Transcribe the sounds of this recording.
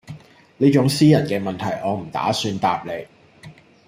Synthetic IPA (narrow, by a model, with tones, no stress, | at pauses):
niː˥t͡ʃʊ˨˥ŋsiː˥jɐ˨˩nkɛː˧mɐ˨nt̪ʰɐ˨˩jʔɔː˨˧m̩˨˩t̪a̰ː˨˥syː˧nt̪aː˧p̚le˨˧j